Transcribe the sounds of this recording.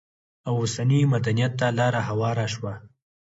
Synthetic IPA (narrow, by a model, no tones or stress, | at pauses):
awosanimad̪anijat̪̚ːalɑɾahawɑɾaʃwa